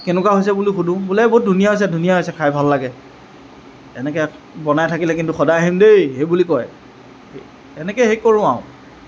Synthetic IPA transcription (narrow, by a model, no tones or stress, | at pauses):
kenʊkaɦojs̬ɛbulixudũbulɛbot̚dʱunijaɦojs̬ɛdʱunijaɦojsɛkʰajbʱalːaɡɛ | ɛnɛkɛ | bɔnajtʰakilɛkintuxɔdajaɦimdejhejbulikɔj | ɛnɛkɛxejkoɹʊ̃a̰ʊ̃